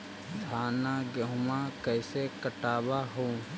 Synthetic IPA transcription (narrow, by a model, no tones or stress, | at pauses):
d̪ʱaːnaɡəɦʊmãkəːɪsekəʈaːbaɦoː